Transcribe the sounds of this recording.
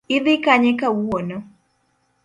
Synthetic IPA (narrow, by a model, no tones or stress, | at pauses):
ɪd̪ɪkaɲɛkawuonɔ